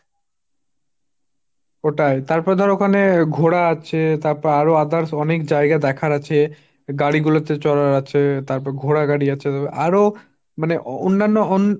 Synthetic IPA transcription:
oʈajt̪aɾpɔɾed̪ʱɔɾokʰaneɡʱoɽaat͡ɕʰet̪aɾpɔɾaɾoad̪aɾsɔnekd͡ʑaeɡad̪ɛkʰaɾat͡ɕʰe | ɡaɽiɡulot̪et͡ɕɔɾaɾat͡ɕʰet̪aɾpɔɾeɡʱoɽaɡaɽiat͡ɕʰet̪apɾʔaɾo | maneʔo̰nːanːoon

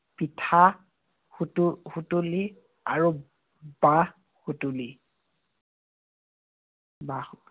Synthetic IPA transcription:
pitʰa | htxutuli | aɹu | ba | xutuli | ba

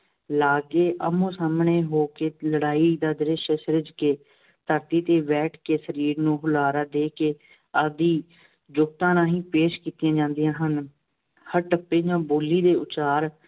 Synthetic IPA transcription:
laːɡeːʔə̰mũːsaːmɳeːɦoːkeːləɽaːiːd̪aːd̪ɪɾɪʃəsəɾɪd͡ʒkeː | t̪əɾt̪iːt̪eːʋɛːʈʰkeːsəɾiːɾnũːɦʊlaːɾaːd̪eːkeː | əd̪iː | d͡ʒʊkt̪ãːnãːɦĩːpeːʃkiːt̪ɪjãːd͡ʒãːnd̪ɪjãːɦən | həɾʈəpːeːd͡ʒãːboːliːd̪eːʊt͡ʃaːɾ

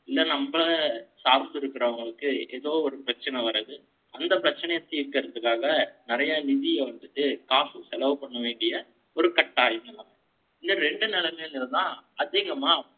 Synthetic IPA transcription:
ɪlːɐnɐmːɐɭɐsaːɾnd̪ɪɾɯkːɪɾɐʋɐŋɡɐɭɯkːɯeːðoːɔɾɯpɪɾɐt͡ʃːɐnɛʋɐɾɐðɯ | ɐnd̪ɐpɪɾɐt͡ʃːɐnɐjɐt̪ːiːɾkɐɾɐt̪ːɯkːaːɣɐnɪɾɐjaːnɪðɪjɛʋɐnd̪ɯt̪ːɯkaːsɯsɛlɐʋɯpɐɳːɯʋeːɳɖɪjɐ | ɔɾɯkɐʈːaːjɪnɐlaːŋɐ | ɪnːɐɾɛɳɖɯnɛlɐmeːnɪɾɯðãːɐðiːɣɐmaː

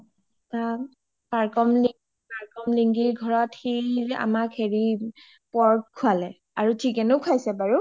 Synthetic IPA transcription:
ta | paɹkɔmliŋ | paɹkɔmliŋɡiɹɡʱɔɹɔtxea̰makheɹi | pɔɹkʰualɛ | aɹutʰikɛnokʰajsɛbaɹu

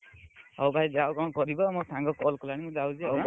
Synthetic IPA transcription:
ɔwbʱajzawkɔkɔɹibɔmʊk̚tʰaŋɡɔkɔlkɔlanimuzawzɛɔ

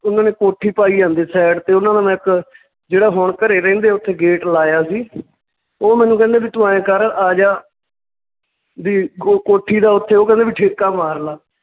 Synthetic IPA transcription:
ʊnãːneːkoːʈʰiːpaːiːãːnd̪eːsɛːɖt̪eːʊnãːd̪aːmɛ̃ːɪk | d͡ʒeːɽaːɦoːɳkəɾeːɾɛ̃ːnd̪eːʊt̪ʰːeːɡeːʈlaːjaːsiː | oːmɛ̃ːnũːkɛ̃ːnd̪eːbiːt̪ʊãːẽːkəɾaːd͡ʒaː | d̪iːokoːʈʰːiːd̪aːʊt̪ʰːeːoːkɛ̃ːnd̪eːbiːʈʰeːkaːmaːɾlaː

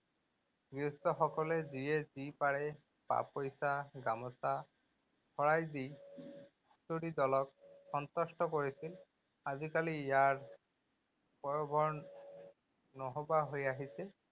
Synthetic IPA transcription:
ɡɹist̪ɔxɔkɔlɛziɛzipaɹɛ | pa̰pojsaɡamɔsa | xʰɔɹajd̪i | soɽid̪ɔlɔk̚xɔnt̪ɔstɔkoɹisil | azikalijaɹ | pɔjɔbʱɔɹ | nɔɦobaɦojaɦisɛ

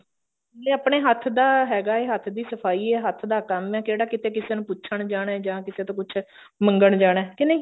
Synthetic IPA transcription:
eːaːpɳeːɦət̪ʰd̪aːɦɛːɡaːeːɦət̪ʰd̪iːsəpʰaːiːɛːɦət̪ʰd̪aːkəmɛːkeːɽaːkɪt̪eːkɪseːnũːpʊːʃʰəɳd͡ʒaːɽ̃ɛːd͡ʒãːkɪseːt̪õːkʊt͡ʃʰ | məŋɡəɳd͡ʒaːɽ̃ɛːkɪnẽiː

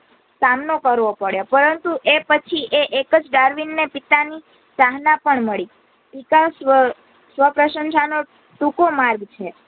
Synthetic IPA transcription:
samnokəɾʋopəɭjopəɾənt̪uʔepət͡ʃʰiʔeʔekəd͡ʒɖaɾʋinːepit̪ani | saɦnapəɳməɭi | ikasʋə | sʋəpɾəʃənʃano | ʈukomaɾɡt͡ʃʰe

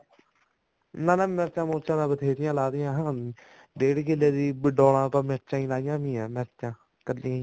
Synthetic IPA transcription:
nãːnãːmɛːt͡ʃãːmõːt͡ʃãːnãːbət̪ʰeːd̪ɪjãːlaːd̪ɪjãːɦãː | d̪eːɽɡelːeːd̪iːbəɖoːlãːt̪ãːmɛːt͡ʃãːĩːlaːɪjãːmĩːãːmɛːt͡ʃːãː | kəlːiãĩː

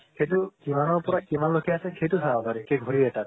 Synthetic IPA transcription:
xejtʊkimanɔɹpɔɹakimanlokʰɛasɛxejtʊtʰabɔpaɹikeɡʱoɹiɛtat̚

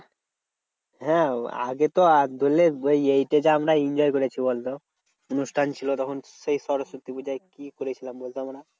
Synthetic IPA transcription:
ɦɛ̃a̰ɡet̪oad̪ʱolːeojejʈed͡ʑaamɾaind͡ʑɔjkoɾet͡ɕʰibolt̪o | onusʈʰant͡ɕʰilot̪ɔkʰon | sejsɔɾosot̪ːibud͡ʑaekikoɾet͡ɕʰilambolt̪oamɾa

